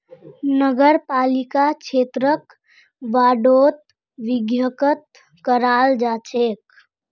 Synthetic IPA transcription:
nəɡəɾpaːlikakt͡ʃʰet̪ɾək | ʋaɖot̪̚ | ʋiɡjəkət̪̚ | kəɾaːld͡ʒat͡ʃʰek

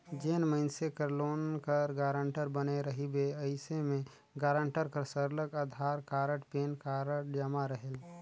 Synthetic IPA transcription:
d͡ʒeːnməɪnsekəɾloːnkəɾɡaːɾəɳʈəɾbəneɾəɦibeəɪsemẽ | ɡaːɾə̃ɳʈəɾkəɾsəɾləkaːd̪ʱaːɾkaːɾəʈpeːnkaːɾəd͡ʒəmaɾəɦel

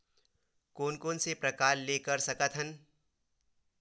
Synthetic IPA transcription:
koːnkoːnsepɾɐkaːɾlekəɾsɐkət̪ʰɦən

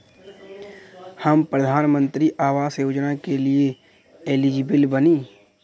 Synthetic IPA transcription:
həmpɾəd̪ʱaːnmə̃nt̪ɾiʔaːʋaːsjoːd͡ʒnakelie | eːlid͡ʒibəlbəniː

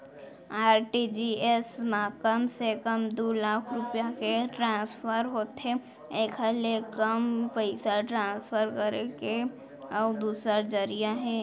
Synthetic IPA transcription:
aːɾʈid͡ʒiesmaːkəmsekəmd̪olaːkʰɾʊpjakeʈɾãːspʰəɾɦoːt̪ɦe | eːkʰɦəlekəmpəɪsaʈɾãːspʰəɾkəɾeke | ɔːd̪uːsəɾd͡ʒəɾijaɦɛː

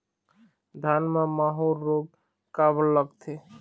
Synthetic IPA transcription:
d̪ʱanmamaɦolːob̚ | kabəlːəɡt̪ʰe

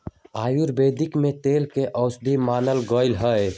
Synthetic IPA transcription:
aːjiɾbeːd̪ɪkmẽt̪eːlkeʔəʊsd̪ʱimaːnəlɡəɪlɦəe

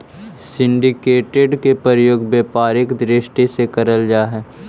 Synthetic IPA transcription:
sɪ̃ɳɖɪkeːʈeɖkepɾəɾəjoːɡbeːpaːɾɪkd̪ɾɪʃʈesekɐɾəld͡ʒaːɦɛː

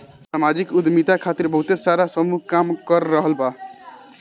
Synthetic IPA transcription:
samad͡ʒikud̪mit̪akʰat̪iɾbʌɦut̪esaɾasəmukamkʌɾːəɦəlba

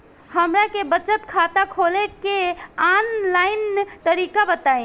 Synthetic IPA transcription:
həmɾakebət͡ʃət̪kʰat̪akʰolekeanlaint̪əɾikabət̪aĩ

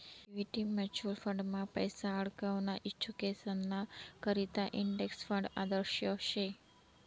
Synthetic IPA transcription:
ʋiʈimɛt͡ʃəlfə̃ɳɖmãpəjsaəɭkaʋnaʔit͡ʃʰːukesənːakəɾit̪aʔiɳɖeksfə̃ɳɖa̰d̪əɾʃjoʃe

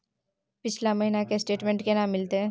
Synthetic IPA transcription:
pɪt͡ʃʰlamɐɦinakesʈeːʈmẽːɳʈkenaːmːɪlt̪eɦɛ̃

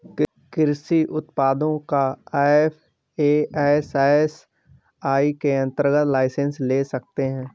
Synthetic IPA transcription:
kɪɾsiʔʊt̪paːd̪õkaaːfʰ | eːaːsaːs | aːikeɐ̃nt̪əɾɡət̪laːɪsə̃nsleːsɐk̚t̪eɦɛ̃ː

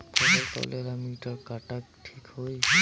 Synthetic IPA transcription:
pʰɔleɾfɔ̰leɾamiʈɔɾkaʈakʈʰikhoj

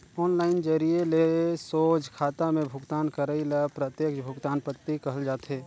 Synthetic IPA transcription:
ɔːnlaːɪnd͡ʒəɾielesoːd͡ʒkʰaːt̪amẽbʱʊɡt̪aːnkəɾəilapɾət̪jeːkʃbʱʊɡt̪aːnpət̪ːikəɦəld͡ʒaːt̪eː

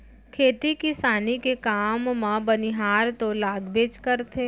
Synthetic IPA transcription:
kʰeːt̪ikɪsaːnikekaːmːãbɐniɦaːɾt̪olaːɡbeːd͡ʒkəɾt̪ʰe

